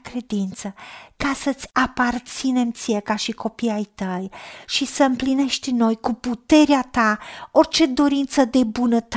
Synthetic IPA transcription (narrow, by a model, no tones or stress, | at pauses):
kɾe̞d̪int̪səkasət̪sʲapart̪sine̞mt̪sijekaʃiko̞piajt̪əjʃisəɨmpline̞ʃt̪ʲno̞jkuput̪e̞ɾeat̪ao̞rt͡ʃe̞d̪o̞ɾint̪səd̪e̞bunət̪